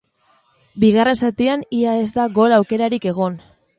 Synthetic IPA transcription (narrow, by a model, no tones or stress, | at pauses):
biɣ̞are̞nsat̪ianiaezd̪aɣo̞lawke̞ɾaɾike̞ɣ̞o̞n